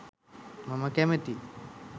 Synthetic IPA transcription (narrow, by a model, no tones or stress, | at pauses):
maməkæmet̪i